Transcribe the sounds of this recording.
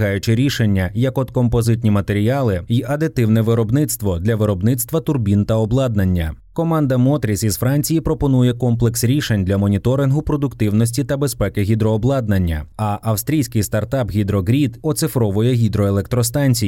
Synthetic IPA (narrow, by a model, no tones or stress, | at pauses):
ɦɑjʊt͡ʃɪɾʲiʃenʲːɐjɐkɔd̪kɔmpɔzɪt̪ʲnʲimɐt̪e̞ɾʲiɑlˠɪiʔɐd̪ɪt̪ɪwnɛʋɪɾɔbnɪt̪st̪ʋɔd̪lʲɐʋɪɾɔbnɪt̪st̪ʋɐt̪ʊrbʲint̪ɐɔblˠɑd̪nɐnʲːɐ | kɔmɑnd̪ɐmɔt̪ɾʲisʲizfɾɑnʲt͡sʲijipɾɔpɔnujɛkɔmplˠeksɾʲiʃenʲd̪lʲɐmɔnʲit̪ɔɾɪnɦʊpɾɔd̪ʊkt̪ɪwnɔsʲtʲit̪ɐbespɛkɪɦʲid̪ɾɔːblˠɑd̪nɐnʲːɐ̰ɐʔɐwst̪ʲɾʲijsʲkɪjst̪ɐrt̪ɑpɣʲid̪ɾɔɦɾʲid̪ɔt̪sɪfɾɔʋɔjɛɦʲid̪ɾɔelˠɛk̚t̪ɾɔst̪ɑnʲt͡sʲi